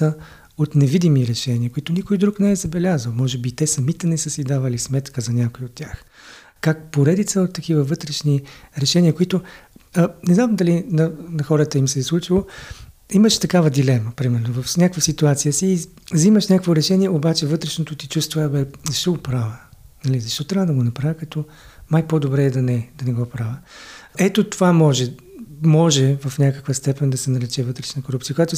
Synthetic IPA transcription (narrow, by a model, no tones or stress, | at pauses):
ə | ot̪nɛvid̪imiɾɛʃɛniəkʊit̪onikojd̪ɾuknɛɛzɐbɛlʲazəlˠmɔʒɛbit̪ɛsɐmit̪ɛnɛsɤsid̪avəlismɛt̪kəzɐnʲakoiot̪ːʲjax | kak̚poɾɛd̪it̪səot̪ːɐkivəvɤt̪ɾɛʃniɾɛʃɛnʲiəkʊit̪o | nɛznamd̪ɐlinɐnɐxɔɾət̪əimsɛslˠut͡ʃilˠo | iməʃt̪ɐkavəd̪ilɛməpɾimɛɾnovɐfnʲakvəsit̪uat̪sijəsiː | ziməʃnʲakkvoɾɛʃɛnʲiɛobat͡ʃɛvɤt̪ɾɛʃnot̪ot̪it͡ʃust̪vovabɛzɐʃt̪ɔɡopɾavə | nɐlizɐʃt̪ɔt̪ɾʲavəd̪ɐɡonɐpɾavikɐt̪ɔ | majpod̪obɾɛːd̪ɐnɛd̪ɐnɛɡɔpɾavəɛt̪ot̪ovamɔʒɛ | mɔʒɛvɐfnʲakəkvəst̪ɛpɛnd̪ɐsɛnɐɾɛt͡ʃɛvɤt̪ɾɛʃnəkoɾup̚tsijəkojat̪o